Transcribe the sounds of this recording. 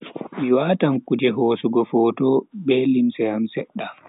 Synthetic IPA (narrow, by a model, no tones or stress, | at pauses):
miwaːtamkud͡ʒɛɦɔːsuɡɔfɔːtɔbɛlimsɛjamsɛɗːa